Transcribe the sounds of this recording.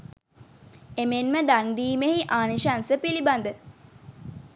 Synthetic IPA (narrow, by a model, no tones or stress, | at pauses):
emenməd̪and̪iːmeɦiʔaːniʃansəpiliband̪ə